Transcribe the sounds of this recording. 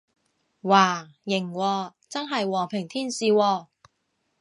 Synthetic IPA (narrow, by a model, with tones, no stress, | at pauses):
waː˨˩ | jɪ˨˩ŋwɔː˧t͡sɐ˥nɦɐ˨jwɔː˨˩ŋpʰɪ˨˩ŋt̪ʰiː˥nsiː˨wɔː˧